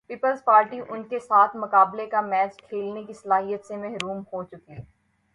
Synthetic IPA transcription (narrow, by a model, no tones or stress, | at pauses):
piːpəlzpaːɾʈiʔʊnkesaːt̪ʰmʊkaːblekamɛːt͡ʃkʰeːlnekisɐlaːɦijət̪semɛɦɾuːmhot͡ʃʊki